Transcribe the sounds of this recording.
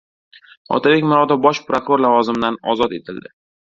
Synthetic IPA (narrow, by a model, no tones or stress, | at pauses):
ɒ̰t̪ʰabekʲmʊɾɒd̪abɒʃpɾokɾoɾlˠavɒzɪmɪd̪anɒ̰zɒt̪e̞̰t̪ʰɪld̪ɪ